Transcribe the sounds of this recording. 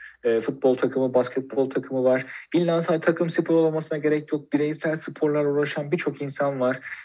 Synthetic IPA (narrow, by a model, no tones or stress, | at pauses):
ɛːfut̪̚bo̞lˠt̪ʰakʰɯmɯbascʰɛt̪̚bo̞lˠt̪ʰakʰɯmɯvaɾ̥bilʲːansat̪ʰakʰɯmsɯpʰoɾolˠmasɯnaɟe̞ɾɛcjo̞k̚biɾejsælʲsɯpʰo̞ɾlˠaɾuɾˠaʃanbit͡ʃʰo̞kinsanvaɾ̥